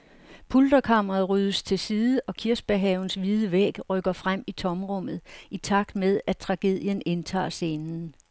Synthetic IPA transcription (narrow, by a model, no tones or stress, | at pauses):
pʰuld̥ɐkʰɑ̈m̰ʁɐð̩ˠʁyð̞ˠəst͡sʰe̝lsiːðˠəʔɒ̽kʰiɐs̚b̥æɦɛʊn̩sʋið̞ˠəʋeɡ̥ʁœɡ̥ɐfʁam̰it͡sʰɒ̽mʁɔm̰ð̞̩ˠit͡sʰɑ̈ɡ̥d̥meðˠæt͡sʰʁɑ̈ɡ̥e̝ð̞̰ˠjəne̝nt͡sʰɑ̰̈ːse̝nn̩